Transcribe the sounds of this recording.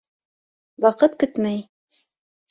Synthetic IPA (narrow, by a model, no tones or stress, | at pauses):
wɑqɤt̪kɘt̪mæj